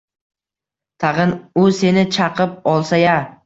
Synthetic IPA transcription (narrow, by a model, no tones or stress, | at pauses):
t̪ʰɑʁɨnʊse̞nɪt͡ʃʰɑqʰɨp̚ɒlˠsaja